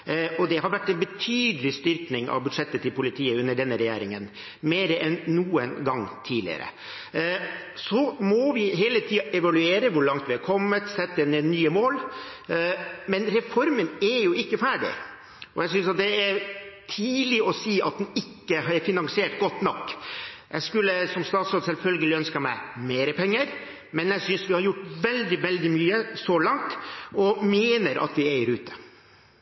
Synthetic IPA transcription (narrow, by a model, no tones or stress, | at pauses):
ɔd̪ɛhɑɾʋæʈːɛnbət̪ʰyːd̪əlɪst̪ʏɾknɪŋɑ̰ʋbʉd̪ʂɛt̪ːət̪ʰːɪlpʊlɪt̪ʰiːəʉnːəɖɛnːəɾɛjæːɾɪŋən | meːɾəʔɛnːuːənɡɑŋt̪ʰiːlɪ̰ə̰ɾə̰ | sɔmɔʋɪɦeːlət̪ʰiːɑʔɛʋɑlʉeːɾəʋʊɾɭɑŋt̪ʋɪhɑɾkʰɔmːət̪sɛt̪ːəɛnənːyːəmoːl | mɛnɾɛfɔɾmənæɾjʊɪkːəfæːɖɪ̰ | ʔɔjæɪs̬ʏnsɑt̪̚d̪ɛæɾt̪ʰiːlɪɔsiːɑt̪̚d̪nɪkːəhɑɾfɪnɑŋsɪeːʈɡɔt̪ːnɔkːjæɪskʉlːəsɔmst̪ɑːt̪sɾoːd̪sɛlfœlɡəlɪœnskɑmæɪmeːɾəpʰɛŋːəɾ | mɛnjæsʏnsʋɪhɑɾjʊʈːʋɛld̪ɪʋɛld̪ɪmyːəsɔlɑŋt̪ɔmeːnəɾʔɑ̰t̪ʋɪeɪəɾʉːt̪ʰə̥